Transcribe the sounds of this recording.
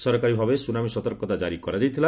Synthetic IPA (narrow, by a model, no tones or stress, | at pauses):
sɔɾɔkaɾibʱabesunamisɔt̪ɔɾkɔt̪ad͡ʒaɾikɔɾad͡ʒajt̪ʰila